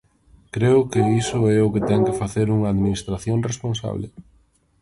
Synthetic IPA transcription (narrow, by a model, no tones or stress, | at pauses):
kɾeʊkɪisʊɛʊkɪt̪ɛŋkɪfaθeɾuŋɐːðminist̪ɾaθjoŋresponsa̰βlɪ̰